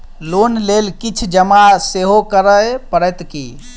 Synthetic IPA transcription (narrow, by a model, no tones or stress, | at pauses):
lonlelkit͡ʃʰd͡ʒəmaseɦokəɾəjpəɾɛt̪kḭ